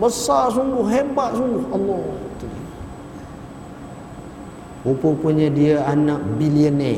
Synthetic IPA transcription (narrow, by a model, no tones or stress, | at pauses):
bəsarsuŋɡʊhɦebat̪̚suŋɡʊhalːɔt̪udi | upəpuɲədiəanaʔ̚biliənɛ